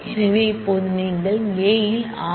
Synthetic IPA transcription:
ɪɾɐʋɐɪpːoːðɯniːŋɡɐɭeːjɪl | aː

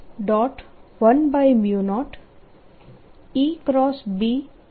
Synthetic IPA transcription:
ɖɔːʈʋənbajmjunɔːʈ | ikɾɔːsbiː

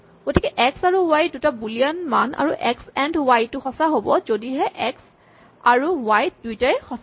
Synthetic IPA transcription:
ɡ̥otʰikɛʔɛksaɹuwajdutabuliɔnmana̰ɹuʔɛksɛndwajtʊxɔsaɦobɔzodiɦɛʔɛks | aɹuwajdujtajxɔs

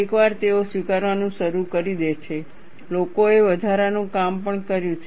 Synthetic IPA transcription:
ekʋaɾt̪eosʋikaɾʋanũʃəɾukəɾid̪et͡ʃʰe | lokoeʋəd̪ʱaɾanũkampəɳkəɾjũt͡ʃʰ

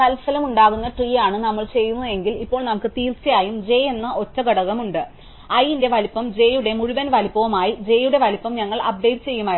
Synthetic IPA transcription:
t̪ɐlsɐlɐmuɳɖaːɣunːɐʈriːjaːɳɨnɐmːɐɭt͡ɕe̞jːunːue̞ŋɡilipːo̞ːɭnɐmukːɨt̪iːrt͡ɕːɐjaːjumd͡ʑe̞ːe̞nːɐʔo̞tːɐɡɐɽɐɣɐmuɳɖɨ | ɐjinde̞ʋɐlipːɐmd͡ʑe̞ːjuɽe̞muɻuʋɐnʋɐlipːɐʋɐmaːjid͡ʑe̞ːjuɽe̞ʋɐlipːɐmɲɐŋːɐɭʔɐb̚ɖe̞jtːɨt͡ɕe̞jːumaːj

